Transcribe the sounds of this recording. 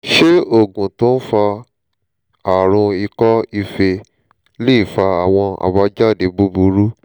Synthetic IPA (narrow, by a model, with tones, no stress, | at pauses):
ʃe˦o˦˨ɡũ˨tõ˦n̩˦fa˧ | a˨ɾ̃ũ˧i˧kɔ˦i˧fe˧ | le˦i˦˨fa˧a˨w̃ɔ̃˧a̰˨ba˧d͡ʒa˦˨de˨˦bu˦bu˧ɾu˦